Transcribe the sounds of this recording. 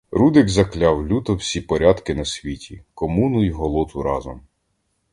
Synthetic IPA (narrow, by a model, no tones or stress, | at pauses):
ɾud̪ɪɡzɐklʲɑwlʲut̪ɔwsʲipɔɾʲɑd̪kɪnɐsʲʋʲitʲikɔmunʊjɦɔlˠɔt̪ʊɾɑ̰zɔ̰m